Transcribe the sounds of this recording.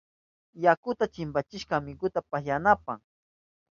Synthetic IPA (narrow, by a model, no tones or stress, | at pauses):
jakʊt̪at͡ʃɪmpat͡ʃɪʃkamɪkʊt̪apajanapaŋ